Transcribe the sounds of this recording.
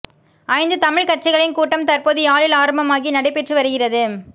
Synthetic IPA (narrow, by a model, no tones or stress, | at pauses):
ʔɐɪnd̪ɯt̪ɐmɪɻkɐʈ̚t͡ʃɪɣɐɭɪnkuːʈːɐmt̪ɐrpoːðɯaːlɪlaːɾɐmbɐmaːɣinɐɽɐɪpːɛʈrɯʋɐɾɯɣɪrɐðɯ